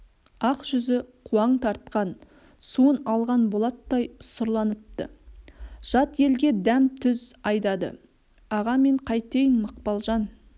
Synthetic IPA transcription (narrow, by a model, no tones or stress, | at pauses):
ɑqʒ̥ʏzɪqʰuɑɴt̪ʰɑɾt̪̚qɑn | suənɑlˠʁɑnbo̞lˠɑt̪ːɑjsəɾlˠɑnəp̚t̪ə̰ | ʒ̥ɑt̪je̞lɡʲe̞d̪æmt̪ʰʏzɑjd̪ɑd̪ə̰ | ɑʁɑme̞ɴqʰɑjt̪ejɪnməq̚pɑlˠʒɑn